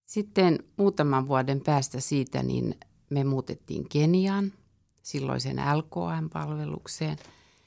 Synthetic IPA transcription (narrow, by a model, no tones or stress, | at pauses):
sit̪ːenmuːt̪ɑmɑʋʋuɑdempæːst̪æsiːt̪æ̰nḭn | memuːt̪et̪ːḭːŋkeniɑn | silːo̰isḛnælko̰ːæmpɑ̰lʋelṵkseːn